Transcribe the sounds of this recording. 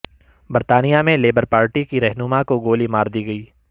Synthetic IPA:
bɐɾt̪aːnijamẽleːbəɾpaːɾʈikiɾɛɦnʊmakoɡoːlimaːɾd̪iːɡɐiː

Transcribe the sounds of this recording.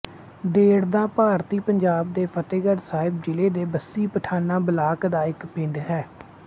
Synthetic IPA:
d̪eːɽd̪ãːpaːɾt̪iːpəɲd͡ʒaːb̚d̪eːpʰət̪eːɡəɾsaːɪb̚d͡ʒɪleːd̪eːbəsːiːpəʈʰaːnaːbəlaːkd̪aːɪkpɪ̃ɳɖɦɛː

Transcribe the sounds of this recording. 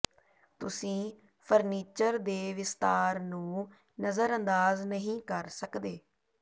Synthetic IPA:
t̪ʊsĩː | pʰəɾniːt͡ʃəɾd̪eːʋɪst̪aːɾnũː | nəzəɾənd̪aːznəɦĩːkəɾsəkd̪eː

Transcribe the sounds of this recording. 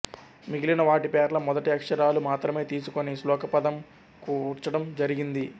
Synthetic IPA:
miɡilinɐʋaːʈipɛːɾlɐmɔd̪ɐʈiɐkʂɐɾaːlumaːt̪ɾɐme̞ːt̪iːsukonislɔːkɐpɐd̪ɐm | kuːɾt͡ʃːɐɽɐmd͡ʒɐɾiɡind̪i

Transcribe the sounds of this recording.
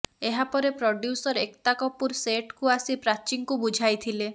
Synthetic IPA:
eɦapɔɾepɾoɖjusɔɾekt̪akɔpuɾseʈkuasipɾat͡ʃiŋkubud͡ʒʱajt̪ʰile

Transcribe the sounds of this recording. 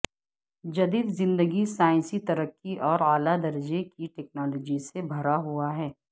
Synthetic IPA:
d͡ʒɐd̪iːd̪zɪ̃nd̪əɡisaːɪ̃nsit̪ɐɾəkːiʔɔːɾaːlad̪ɐɾd͡ʒekiʈɛːk̚naːlɔːd͡ʒisebʱɐɾaɦuaɦɛː

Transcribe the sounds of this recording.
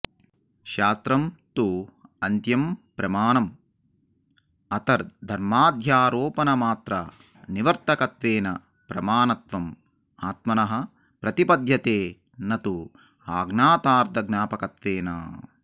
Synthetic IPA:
ʃaːst̪ɾɐmt̪uɐnt̪jɐmpɾɐmaːnɐm | ɐt̪ɐɾd̪ʱɐɾmaːd̪ʱjaːɾoːpɐnɐmaːt̪ɾɐ̰ | niʋɐɾt̪ɐkɐt̪ʋeːnɐ | pɾɐmaːnɐt̪ʋɐm | aːt̪mɐnɐɦɐ̆ | pɾɐt̪ipɐd̪ʱjɐt̪eː | nɐt̪u | aːɡnaːt̪aːɾd̪ʱɐɡnaːpɐkɐt̪ʋeːnɐ̰

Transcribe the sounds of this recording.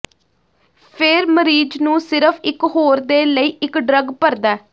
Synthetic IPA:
pʰɪɾməɾiːd͡ʒnũːsɪɾəfʰɪkɦoːɾd̪eːləiːʔɪkɖɾəɡpəɾd̪aː

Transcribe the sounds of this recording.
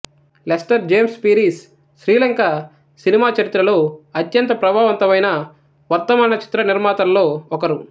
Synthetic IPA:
lesʈɐɾd͡ʒe̞ːmspiːɾiːsː | ɾiːlɐŋka | sinimaːt͡ʃɐɾit̪ːɾɐloːɐt̪jɐnt̪ɐpɾɐbʱaːʋɐnt̪ɐmɐjnɐ | ʋɐɾt̪ɐmaːnɐt͡ʃi̥t̪ɾɐniɾmaːt̪ɐllo̞ːɔkɐɾu

